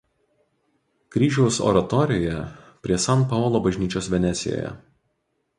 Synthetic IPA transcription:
kɾʲiːʒʲɛʊsɔ̰ɾɐt̪ɔɾʲɪjɛpʲɾʲiɛsɑnpɑɔːlˠoːbɐʒʲnʲiːt͡ʃʲoːsʋʲɛnʲɛt̪sʲɪjo̰ːjɛ̰

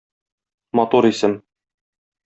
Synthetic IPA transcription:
mɒt̪uɾisɘm

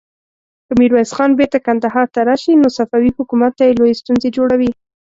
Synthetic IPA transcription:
kəmiɾwasxɑnbeɾt̪akand̪aɦɑɾt̪aɾɑʃinosafɑwihʊkumat̪ːajelojest̪unzed͡ʒoɽawi

